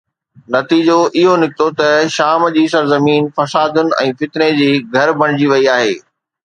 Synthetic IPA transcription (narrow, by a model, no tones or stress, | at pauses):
nɐt̪iːd͡ʑoʔɪɦonɪkɪt̪ot̪ɐʃaːmd͡ʑiːsɐɾzɐmiːnfɐsaːd̪ʊnɪ̆ɛ̰̃ːfɪt̪ned͡ʑiːɡʱɐɾbʱɐɽ̃ɪd͡ʑiʋɐiaːɦeː